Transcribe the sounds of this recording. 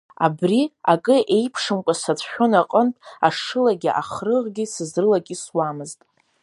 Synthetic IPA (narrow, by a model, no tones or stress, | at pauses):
a̰briakʼɨʔe̞jpʰʂɨmkʷʼasat͡sʷʰʼħʷᶣonaqʼəntʼaʂɨlaɡʲiʔa̰χrɨʁɡʲisɨzrɨlakʲʼiswamɨztʼ